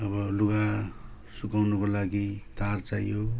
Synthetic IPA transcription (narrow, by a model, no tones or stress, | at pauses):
ʌbʌluɡa | sukawnukolaɡit̪art͡sajo